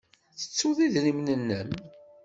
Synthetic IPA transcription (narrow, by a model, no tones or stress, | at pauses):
θə̥t͡sːuðiðɾimnənːəm